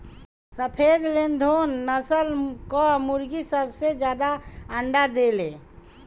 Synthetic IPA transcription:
səpʰed̪lend̪ʱonːəsəlkɔmuɾɡisəbsed͡ʒjaːd̪aəɳɖad̪ele

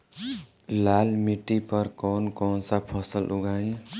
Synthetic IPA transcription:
laːlmiʈːipəɾkɔːnkɔːnsapʰɔsəlʔuɡaːj̃

